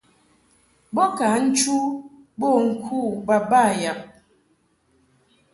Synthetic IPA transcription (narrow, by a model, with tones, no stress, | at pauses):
bɔ˦ka˨˦n̩˦t͡ʃu˦ | bo˦˨ŋ̩˦kʰu˦˨ba˦ba˦˨ja˨ʔ̚